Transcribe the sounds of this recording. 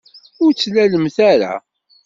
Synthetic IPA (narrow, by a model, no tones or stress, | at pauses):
ʊɾt͡sːlæləmθæɾa̰